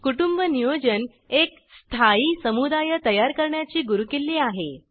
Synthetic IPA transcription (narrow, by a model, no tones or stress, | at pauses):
kuʈumbənijod͡ʑən | ek | st̪ʰaiːsəmud̪ajət̪əjaɾkəɾɳjat͡ɕiːɡuɾukelːiːaɦe